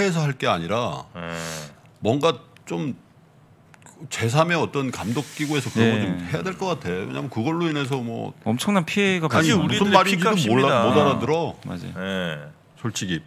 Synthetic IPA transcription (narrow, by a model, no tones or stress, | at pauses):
eːs̬ʰʌɦaɭk͈e̞aɲiɾa | mwʌŋɡat͡ɕom | kt͡ɕe̞s̬ʰame̞ʌt͈ʌnkamdok̚k͈iɡoe̞sʰʌkɯɾʌŋɡʌomhe̞jadwe̞ɭk͈ʌk͈atʰe̞jo̰we̞ɲʔaːmʌnkɯɡʌɭːoine̞s̬ʰʌmwʌ̰ʌmt͡ɕʰʌŋnanpʰieɡaaɲimuusʰɯnmaɾid͡ʑidomomodaɾadɯɾʌma̰d͡ʑa̰j | sʰoɭt͡ɕ͈ʰiɡi